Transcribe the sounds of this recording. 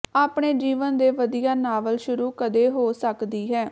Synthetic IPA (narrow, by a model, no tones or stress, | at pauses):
aːpɳeːd͡ʒiːʋənd̪eːʋəd̪ijaːnaːʋəlʃʊɾuːkəd̪eːɦoːsəkd̪iːɦɛː